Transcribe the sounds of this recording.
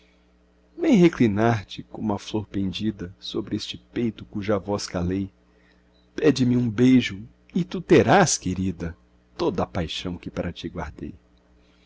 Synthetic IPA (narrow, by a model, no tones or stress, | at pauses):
vẽj̃ɦeklinaɾt͡ʃɪkõmɐfloɾpẽnd͡ʒid̪ɐsobɾɪest͡ʃɪpejt̪ʊkuʒɐvɔskalej | pɛd͡ʒɪmɪũbejʒʊ | ɪt̪ut̪eɾaskeɾid̪ɐ | t̪od̪ɐpajʃɐ̃w̃kɪpaɾʔɐt͡ʃiɡwa̰ɾd̪ḛj